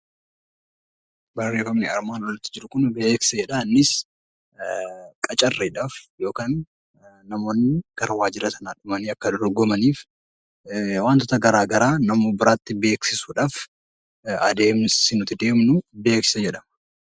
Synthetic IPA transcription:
bɐrːe̞ːfɐmnɪɐɾmaːnwɔlɪt̪ːɪd͡ʒɪɾʊkʊnbeːksɐd͡ʒɛᶑanːɪs | kʼɐt͡ʃʼɐrːeːᶑaːfjo̞ːkaːnː | ɐmo̞ːnːɪɡ̥ɐɾɐwaːd͡ʒɪɾɐsɐnaːᶑʊmɐniːɐkːɐd̪ɔɾɡɔmɐniːf | waːnt̪ɔt̪ɐɡɐɾaːɡɐɾaːnɐmoːbɪɾaːt̪ːɪbe̞ːksɪsuːᶑaːf | ɐd̪e̞ːmsɪnʊt̪ɪd̪e̞ːmnʊbe̞ːksɪsɐd͡ʒɛᶑɐmɐ̥

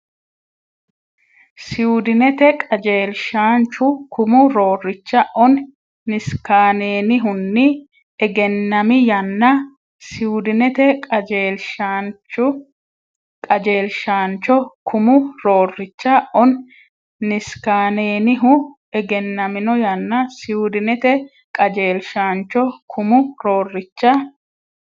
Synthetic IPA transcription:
sɪʊd̪ɪnɛt̪ɛkʼɐd͡ʒeːlʃaːnt͡ʃʊkʰʊmʊɾo̞ːrːɪt͡ʃːɐʔɔnː | ɪskaːneːnɪɦʊnːɪ | ɛɡɛnːɐmɪjɐnːɐ | sɪʊd̪ɪnɛt̪ɛkʼɐd͡ʒeːlʃant͡ʃːʊ | kʼɐd͡ʒeːlʃaːnt͡ʃːɔkʰʊmʊɾoːrːɪt͡ʃːɐʔɔnː | ɪskaːneːnɪɦʊ | ɛɡɛnːɐmɪnɔjɐnːɐsɪʊd̪ɪnɛt̪ɛ | kʼɐd͡ʒeːlʃaːnt͡ʃːɔkʰʊmʊɾoːrːɪt͡ʃːɐ

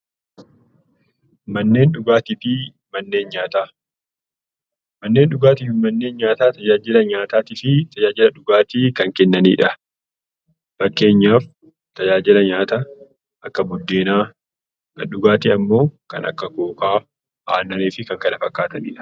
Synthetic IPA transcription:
mɐnːe̞ːnᶑʊɡaːt̪ɪt̪i | mɐnːe̞ːnɲaːt̪aː | mɐnːe̞ːnɗʊɡaːt̪ɪfɪmɐnːe̞ːnɲaːt̪aːt̪ɐd͡ʒaːd͡ʒɪlɐɲaːt̪aːt̪ɪfɪt̪ɐd͡ʒaːd͡ʒɪlɐᶑʊɡaːt̪iːkɐŋkɛnːɐnḭːᶑɐ | b̥ɐkːe̞ːɲːaːf | t̪ɐd͡ʒaːd͡ʒɪlɐɲaːt̪a | ʔɐkːɐbʊd̪ːe̞ːnaː | kɐɗʊɡaːt̪ɪɐmːo̞ːkɐ̰nɐ̰kːɐkoːkaː | a̰ːnːɐneːfɪkɐŋkɐnɐfɐkːaːt̪ɐnḭᶑɐ̥

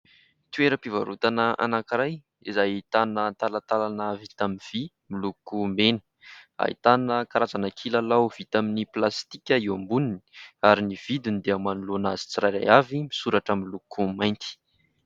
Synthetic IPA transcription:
t̪ueɾəpivaɾut̪anəʔa̰nakiɾaj | izajt̪anət̪alat̪alanəvit̪aminv̥i | milukumenə̥ | a̰ḭt̪anəkaɾazanakʰilalawv̥it̪aminiplast̪ikʲəiwambunini̥aɾiniv̥id̪unid̪eamanulonaz̥i̥t͡siɾajɾa̰javimisuɾaʈ͡ʂəmilukumajnt̪i̥

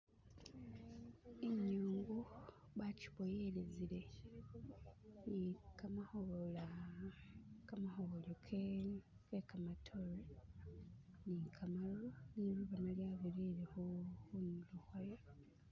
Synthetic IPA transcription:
eɲːuːŋɡu | βaci̥βojelezile̞ | nikamahola | kamahoβolokʰe | kekamatʰolo | nikʰamaloniβuβanoljaβiliːɾehuxunuluhwajo

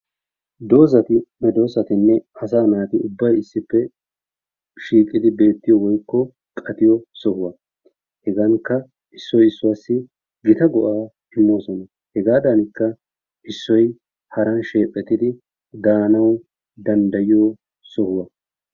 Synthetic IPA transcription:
d̪oːs̬ɐt̪ɪmɛd̪o̞ːsɐt̪ɪnːɛɐs̬aːnaːt̪ɪʊbːɐjɪsːɪpːɛ | ʃiːkʼːɪd̪ɪbe̞ːt̪ːɪjɔwɔjkːɔ | kʼɐt̪ɪjɔsɔhʊwɐ | hɛɡɐŋkːɐ | ɪsːɔjɪsːʊwaːsːɪ | ɡɪt̪ɐɡɔʔaː | ɪmːoːsɔnɐ | hɛɡaːd̪ɐnɪkːɐ | ʔɪsːɔj | hɐɾɐnʃe̞ːpʼːɛt̪ːɪd̪ɪ | d̪aːnɐw | d̪ɐnd̪ɐjɪjo | sɔhʊwɐ

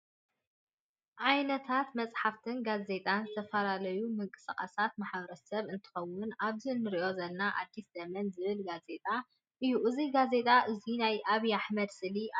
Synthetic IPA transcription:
ʕajnɐt̪ʰat̪mɐt͡sʼħaft̪ʰɨnɡaze̞t̪ʼanzɨt̪ʰɐfɐlalɐjumɨŋkʼɨsɨχʼɐsat̪maħbɐɾɐsɐβɨnt̪ʰɨ̥xɐwːʊnʔaβzinːɨɾiʔo̞zɐlnaʔa̰d̪ːiszɐmɐnzɨβɨlɡaze̞t̪ʼa | ʔɨjuʔɨziɡaze̞t̪ʼaʔɨzinajʔaβiaħmɐd̪sɨli

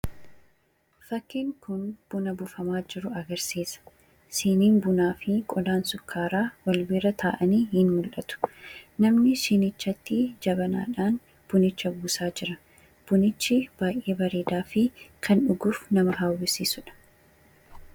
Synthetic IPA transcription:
fɐkːɪŋkʊnb̥ʊnɐbʊfɐmaːd͡ʒɪɾʊɐɡɐɾsiːsɐ̥ | siːniːnbʊnaːfɪkʼɔd̪aːnsʊkːaːɾaːwɐlbɪɾɐt̪ʰaːʔɐniːhɪnmʊlʔɐt̪ʊ̥nɐmnɪʃɪnɪt͡ʃːɐt̪ːɪd͡ʒɐbɐna̰ːᶑaːn | b̥ʊnɪt͡ʃːɐbuːsaːd͡ʒɪɾɐ | b̥ʊnɪt͡ʃːɪb̥aːjʔeːbɐɾeːd̪aːfɪkʰɐnᶑʊɡʊːfnɐmɐɦaːwːɪsiːsʊᶑɐ̥

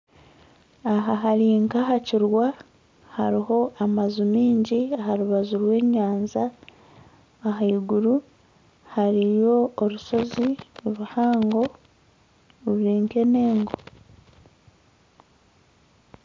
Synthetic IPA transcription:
aɦaɦaɾiŋkaɦaciɾwa | ha̰ɾiho̞ʔamazumiːɲɟiaɦaɾuβazuɾwe̞ːɲaːnza | ɦaiɡuɾu | haɾijo̞ːɾuso̞ziuβuhaːŋɡo̞ | uβiːŋke̞ne̞ːŋɡo̞

